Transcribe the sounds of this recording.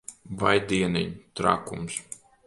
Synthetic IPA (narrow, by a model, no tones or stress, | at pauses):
vajd̪iɛnḭɲt̪ɾa̰ːkums